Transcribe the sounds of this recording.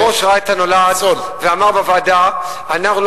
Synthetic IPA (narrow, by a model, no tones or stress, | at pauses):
oʃʁaet̪anolazot̪veamaʁbavad̪a | anaχnul